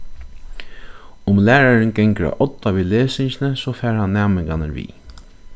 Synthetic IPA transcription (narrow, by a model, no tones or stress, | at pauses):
ʊmlæːɹaɹənɡɛŋkəɾa̰ʔɔt̪ːaʋiːleːsɪɲt͡ʃɪnəsɔfæːɹhanːæːmɪŋkanəɾʋḭː